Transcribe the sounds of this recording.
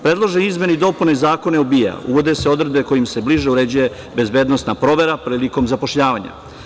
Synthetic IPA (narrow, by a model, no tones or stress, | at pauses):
pɾe̞d̪lˠoʒeizme̞nid̪o̞punezaːko̞neubija̰ṵʋo̞d̪e̞se̞o̞d̪ɾed̪be̞ko̞jimse̞bliʒeuɾe̞d͡ʑuje̞ | be̞zbe̞ːd̪nost̪napɾo̞ʋe̞ɾapɾiːliko̞mzapoʃʎaːʋaɲa̰